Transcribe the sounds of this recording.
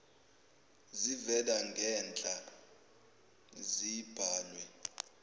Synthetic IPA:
zivɛlaŋɡʱɛnt͡ɬʼa | zib̥ʱaːlwɛ

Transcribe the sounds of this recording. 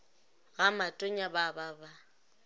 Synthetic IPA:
ɣamatʼoɲabababa

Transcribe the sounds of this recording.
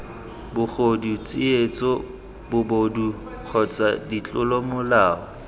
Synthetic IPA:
bʊk͡xodut͡sʼɪet͡sʼɔ | bʊbodu | q͡χʰɔt͡sʼadit͡ɬʼʊlɔmʊlaːɔ

